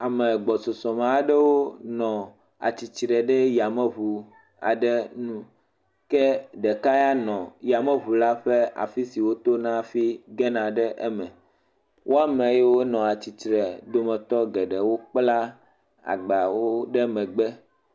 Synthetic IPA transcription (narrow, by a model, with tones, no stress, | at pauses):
a˨mɛ˨ɡ͡bɔ˨so˨sɔ˨mẽ˨a˦ɖɛ˦wo˦nɔ̃˨ | a̰˨t͡ɕi˨t͡ʃɾɛ˨ɖɛ˦ja˨mɛ˦βu˨ | a̰˨ɖɛ˦nũ˦ | kɛ˦ɖɛ˨ka˦ja˦nɔ̃˨ja˨mẽ˦βu˨la˦ɸe˦a̰˨fi˦si˨wo˦t̪o˦nã˦˨fi˦ɡɛ˦nã˨ɖɛ˦ʔɛ˦mɛ̃˨ | wʔo˦a˨mẽ˨je˦wo˦nɔ̃˨a˨t͡ɕi˨t͡ʃɾɛ˨d̪o˦mɛ˨t̪ɔ˦ɡɛ˨ɖɛ˨wo˦k͡pla˦ | a̰˨ɡ͡ba˨wo˦ɖe˦mɛ̃˨ɡ͡bɛ˦